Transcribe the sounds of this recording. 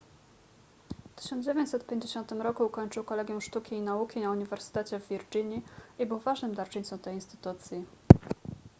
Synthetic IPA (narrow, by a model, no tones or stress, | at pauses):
ft̪ɘ̥ɕɔnzd͡ʑevʲeɲt͡ɕʲsɛt̪pʲjeɲd͡ʑeɕɔnt̪ɘmɾɔkukɔɲt͡ʂɘwkɔlɛɡʲjɔw̃ʂt̪ukʲiːnaukʲinauɲivɛɾsɘ̥t̪ɛt͡ɕɛvːʲiɾd͡ʑiɲiʔibɘwvaʐnɘmd̪aɾt͡ʂɘɲt̪sɔ̃w̃t̪ɛjinst̪ɘ̥t̪ut̪sʲji